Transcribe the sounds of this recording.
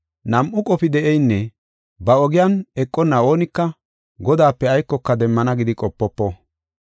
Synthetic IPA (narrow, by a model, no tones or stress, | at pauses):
nɐmʔʊkʼɔpɪd̪ɛʔɛjnːɛ | bɐɔɡɪjanɛkʼːɔnːɐo̞ːnɪkːɐ | ɡɔd̪aːpːɛɐjkːɔkːɐd̪ɛmːɐnɐɡɪd̪ɪkʼɔpːɔpːɔ